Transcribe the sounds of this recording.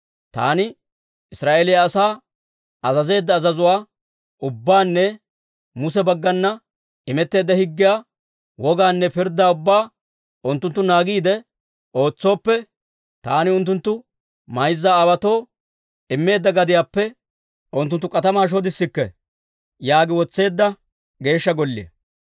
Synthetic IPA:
t̪a̰ːnɪ | ɪsɾaːʔeːlɪjɐːsaː | ɐzɐze̞ːd̪ːɐːzɐzʊwaː | ʊbːaːnːɛ | mʊsɛbɐɡːɐnːɐ | ɪmɛt̪ːe̞ːd̪ːɐhɪɡːɪjaː | wɔɡaːnːɛpɪɾd̪aːʊbːaː | ʔʊnt̪ːʊnt̪ːʊnaːɡiːd̪ɛ | o̞ːt͡sːo̞ːpːɛ | t̪aːnɪʊnt̪ːʊnt̪ːʊ | mɐjzːaːwɐt̪o̞ː | ɪmːe̞ːd̪ːɐɡɐd̪ɪjaːpːɛ | ʔʊnt̪̬ːʊnt̪ːʊkʼɐt̪ɐmaːʃ̬oːd̪ɪsːɪkːɛ | jaːɡɪwɔt͡sːe̞ːd̪ːɐ | ɡe̞ːʃːɐɡɔlːɪɛ̰

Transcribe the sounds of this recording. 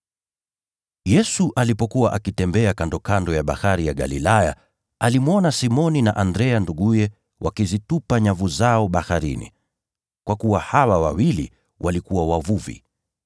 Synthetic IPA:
jɛsuʔalipɔkuwaʔakitɛmbɛakandɔkandɔjaɓa̰haɾijaɠa̰lilaja | alimwɔnasimɔninaʔandɾɛanduɠujɛ | wʔakizitupaɲavuzaɔɓahaɾḭnḭ | kwakuwahawawawilḭ | wʔalikuwawavuvḭ

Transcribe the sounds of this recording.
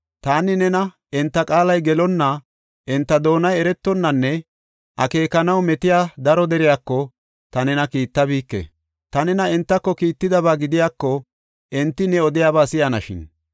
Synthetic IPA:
t̪aːnɪnɛnɐ | ɛnt̪ːɐkʼaːlɐjɡɛlɔnːɐ | ʔɛnt̪ːɐd̪o̞ːnɐjɛɾɛt̪ːɔnːɐnːɛ | ʔɐ̰ke̞ːkːɐnɐwmɛt̪ɪjaːd̪ɐɾɔd̪ɛɾɪjaːkːɔ | t̪ɐnɛnɐkiːt̪ːɐbiːkːɛ̰ | t̪ɐnɛnɐɛnt̪ːɐkːɔkiːt̪ːɪd̪ɐβaːɡɪd̪ɪjaːkːɔ | ʔɛnt̪ːɪnɛɔd̪ɪjaːβaːsɪjɐnɐʃɪ̰n

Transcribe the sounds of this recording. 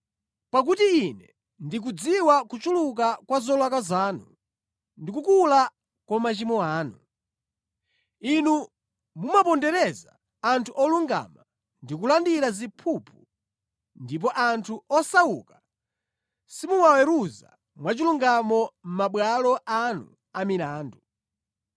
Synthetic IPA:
pak̬utiːnɛ | ndik̬ud͡ziwakut͡ʃuluk̬akwazɔlwakazaːnu | ndikukula | kwamat͡ʃimɔaːnu | inu | mumapɔndɛɾɛzaː | ntʰuʔɔluŋɡa̰ma | ndik̬ulandiɾazipʰupʰu | ndip̬ɔʔantʰuɔsawuka | simuwawɛɾuza̰ | mwat͡ʃiluŋɡamɔm̩maɓwalɔʔanu | amilaːndu

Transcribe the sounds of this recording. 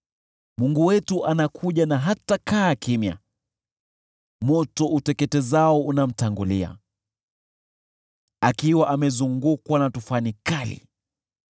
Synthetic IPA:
muŋɡuwɛtuʔanakʰuʄanaɦatakaːkimja̰ | mɔtɔutɛkɛtɛzaɔunam̩taŋɡulia̰ | akiwaʔamɛzuŋɡukwanatufanikalḭ

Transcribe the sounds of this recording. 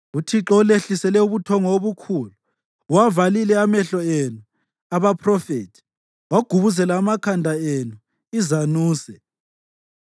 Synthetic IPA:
utʰiǁɔuleɬisɛlɛuβutʰɔŋɔoβukʰuːlu | wavalilɛamɛɬɔenu | aβapʰrɔfetʰi̥ | waɡ̥ʱuβuzɛlaːmakʰandʱaenu | izanuːsɛ

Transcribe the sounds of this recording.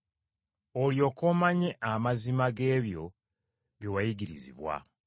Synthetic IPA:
oljo̞ːkoːmaɲe̞ʔamazimaɡe̞ːβjo̞̰ | βjewajiɡiɾizḭβwa̰

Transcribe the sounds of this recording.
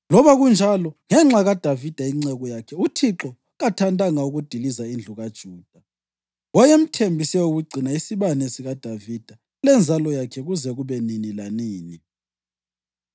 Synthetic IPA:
lɔβaɣund͡ʒʱalɔŋɛŋ͡ǁaɣad̥ʱavid̥ʱaiŋ͡ǀɛɣɔjakʰɛutʰiǁɔ | ɣatʰantʼaŋauɣud̥ʱilizaind͡ɮʱuɣad̥ʒ̥ʱuːd̥ʱa | wɔjem̩tʰembʱisɛuɣuɡ͡ǀʱinaisiβanesiɣad̥ʱavid̥ʱa | lɛnd͡zʱalɔjakʰɛɣuzɛɣuβɛninilaniːni

